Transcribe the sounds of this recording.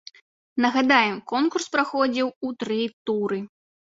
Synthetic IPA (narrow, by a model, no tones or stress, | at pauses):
nɐɣad̪ajɛmkɔnkurspɾaxɔd͡zʲiwut̪ɾɨt̪uɾɨ